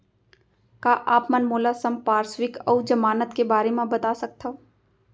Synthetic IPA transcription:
kaːʔaːpmənmoːlasəmpaːɾswɪkəwd͡ʒɐmaːnət̪kebaːɾemẽbɐt̪aːsɐk̚t̪ʰo

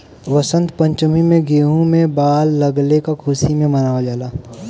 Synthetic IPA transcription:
ʋɐsə̃nt̪pɐ̃ɲt͡ʃʊmimẽɡeːɦũmẽbaːlːɐɡlekakʰuːsimẽmɐnaːʋad͡ʒaːlaː

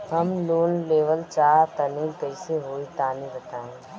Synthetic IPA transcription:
ɦɐmloːnleːʋəlt͡ʃaːɦt̪ɐniːlkəɪseɦoːit̪aːnibɐt̪aːẽ

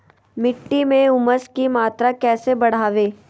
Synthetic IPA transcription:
mɪʈːimẽʊməskimaːt̪ɾakɛːsebɐɽ̤aːʋeː

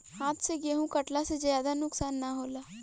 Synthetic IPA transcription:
haːt̪ʰseɡeːɦũkəʈlased͡ʒjaːd̪anʊksaːnːaɦoːlaː

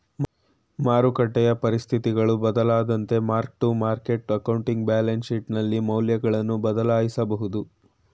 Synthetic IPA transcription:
maːɾukɐʈːɛjɐpɐɾist̪ʰit̪iɡɐɭubɐd̪ɐlaːd̪ɐnt̪e̞maːɾk̚ʈumaːɾkeʈɐkɐwɳʈiŋɡ̚baːlenʃiʈnɐlːimɐwljɐɡɐɭɐnːubɐd̪ɐlaːjisɐbɐɦud̪u

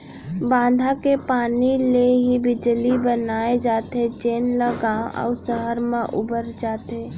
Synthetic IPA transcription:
bãːd̪ʱakepaːnileɦibɪd͡ʒlibənaːed͡ʒaːt̪et͡ʃeːnləɡaːʔə̰səɦəɾmãʔʊbəɾd͡ʒaːt̪e

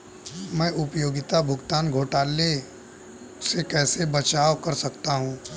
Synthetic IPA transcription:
mɛ̃ːʔʊpjoːɡɪt̪abʱʊɡt̪aːnɡʱoːʈaːle | sekɛːsebɐt͡ʃaːʋkɐɾsɐkt̪aɦũː

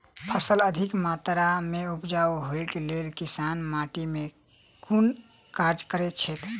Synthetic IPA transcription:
əsələd̪ʱikmat̪ɾameupd͡ʒawɦoikelelkisanmaʈime | kun | kaɾd͡ʒkəɾɛt͡ʃʰɛt̪

